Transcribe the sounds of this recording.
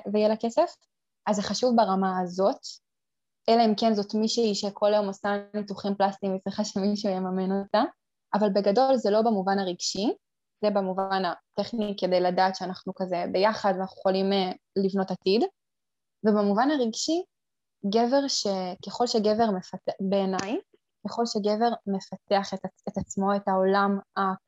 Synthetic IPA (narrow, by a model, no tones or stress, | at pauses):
vejelakesef | azeχaʃuvbaʁamaazo̞t | ʔelaimkenzo̞tmiʃuiʃekʰo̞lajo̞mosanituχimplast̪imit͡sʁiχaʃe̞miʃujemamenot̪a | ʔavalbe̞ɡado̞lzelo̞bamuvanaʁiɡʃi | zebamuvanateχnike̞d̪e̞jladaːtʃeanaχnukaze̞be̞jaχadanaχnuχolimelivno̞tatid | vebemuvanaʁiɡʃi | ɡeve̞ʁʃe̞keχo̞lʃeɡeve̞ʁme̞fatebeːnaj | keχo̞lʃeɡeve̞ʁme̞fateaχetaet̪at͡smo̞e̞tao̞lama